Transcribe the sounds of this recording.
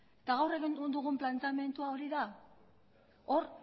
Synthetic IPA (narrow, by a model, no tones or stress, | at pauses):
et̪aɣawre̞ɣenund̪uɣumplant͡same̞nt̪uao̞ɾiða | o̞ɾ